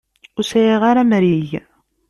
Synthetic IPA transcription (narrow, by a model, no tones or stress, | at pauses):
ʊsæjiʁaɾamɾiʝ